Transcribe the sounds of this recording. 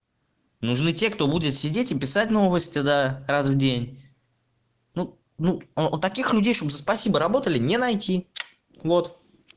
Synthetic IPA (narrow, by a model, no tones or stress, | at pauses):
nʊʐnɨtʲe̞kt̪o̞budʲɪt̪sʲɪdʲetʲɪpʲɪsatʲno̞vəsʲtʲɪd̪arazvdʲenʲ | nu | nut̪ɐkʲixlʲʉdʲejʂt̪obzəspɐsʲibəɾɐbo̞t̪əlʲɪnʲenɐjtʲi | vo̞t̪